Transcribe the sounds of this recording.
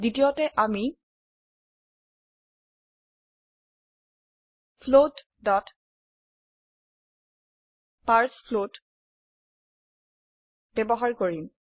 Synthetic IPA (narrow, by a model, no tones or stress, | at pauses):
zitijotɛʔami | pʰlot | dɔt | paɹspʰlot | bɛbɔɦaɹkoɹim